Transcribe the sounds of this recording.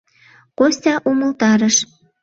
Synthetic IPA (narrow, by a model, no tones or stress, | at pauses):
kosʲtʲɑʔumə̆lt̪ɑɾə̆ʃ